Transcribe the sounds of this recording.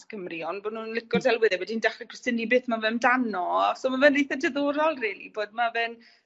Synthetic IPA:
skʰəmriɔnbɔnuːnnlɪkɔrdɛlˠwɪðɛwɛdindaχrikʰəstɪnibeːθmavɛmdanɔasɔːmavɛnːejθədɛðoːɾɔlˠriːlˠḭboːd̚mavɛn

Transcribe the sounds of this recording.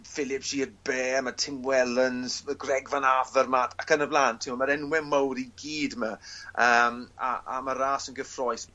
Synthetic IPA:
fɪlˠɪpʃiədbeːmatʰɪmwɛlˠənz̥məɡrɛɡvanavərmatʰakənəblˠaːntʰːiɔmaɾɛnwɛmowɾiɡiːdmaəːma̰ʔa̰maɾaːsənɡəfrɔjs

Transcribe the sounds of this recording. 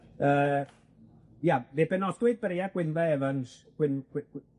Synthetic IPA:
əː | janebɛnɔdwɪd̚bəɾeaɡ̥wɪnvɛɛvənsɡ̥wɪn

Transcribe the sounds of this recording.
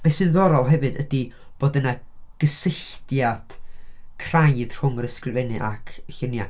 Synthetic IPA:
bɛsɨnðɔɾɔlˠɦɛvɨdədib̥oːdənaɡ̥əsɪɬtjad̥kʰrajð̥r̥ʊŋəɾəskrɨvɛnɨʔa̰kʰəçɪnja

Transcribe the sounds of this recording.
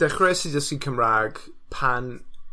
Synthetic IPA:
ɛχrɛsidəsikʰəmraːɡ̥ | pʰan

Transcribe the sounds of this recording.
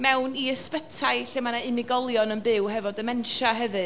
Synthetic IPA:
mɛwniəspətʰaɨɬɪmanaɪnɪɡɔlˠjɔnənbɪwhɛvɔdəmɛnʃaɦɛvɨ

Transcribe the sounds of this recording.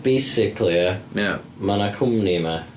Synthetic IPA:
b̥ejsɪkʰlˠiəja | manakʰʊmnima

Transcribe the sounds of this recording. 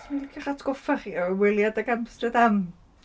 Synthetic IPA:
smilkʰiχatʰɡ̥ɔfaχiːɔwɪlˠjadaɡamstrɨdam

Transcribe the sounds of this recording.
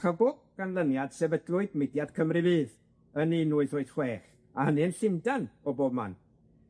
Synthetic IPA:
χəbʊɡ̚ɡ̥anlˠənjad̥sɛvədlʊɨdmɪdjad̥kʰəmrɨvɨːð | əninuːɨðoːɨd̥χweːχ | ahənɨənɬɪmdanɔboːb̚ma̰n

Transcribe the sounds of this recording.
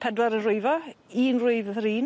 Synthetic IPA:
pʰɛdwaɾənrʊɨvɔiːnrʊɨvriːn

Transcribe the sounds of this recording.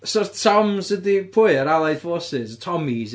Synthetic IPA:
sɔtʰɔmzədipʰʊːɨəɾalˠajðvoːsɪztʰɔmiz

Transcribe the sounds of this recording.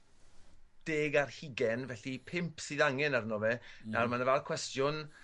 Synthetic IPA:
d̥eːɡarhiɡɛnvɛɬipʰɪmpʰsɨðaŋɛnarnɔvɛnarmanəvɛlˠkʰwɛstjʊn

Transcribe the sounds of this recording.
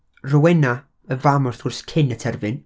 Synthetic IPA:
rɔwɛna | əvamɔrθʊrskʰɪnətʰɛrvɨn

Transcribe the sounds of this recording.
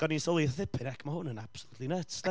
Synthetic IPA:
ɡ̥ɔninsɔlˠɨðθɪpʰɪnɛkʰmahʊnənab̥səlˠutʰlinətsnɛ

